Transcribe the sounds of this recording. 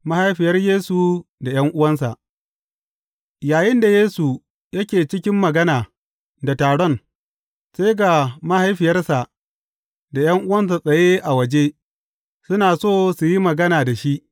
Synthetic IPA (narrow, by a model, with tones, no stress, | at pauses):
ma˦ha˦jɸɪ˨jɐ˦rjeː˦su˨da˨j̰ɐ˦ŋʔʊ˦wɐ˦nsa˨ʔ | jaː˨jɪ˦nda˨jeː˦su˨ | jɐ˦kʲeː˨t͡ʃɪ˦kʲɪ˦mːɐ˨ɡɐ˦naː˨ | da˨taː˨ɽɔ˦˨n | sa˦jɡa˨ma˦ha˦jɸɪ˨jɐ˦rsa˨ | da˨j̰ɐ˦ŋʔʊ˦wɐ˦ns̬a˨sʼɐ˨je˦ʔa˨wɐ˨d͡ʒe˦ | sʊ˦naː˨soː˦su˨ji˦mɐ˨ɡɐ˦naː˨da˨ʃi˦ʔ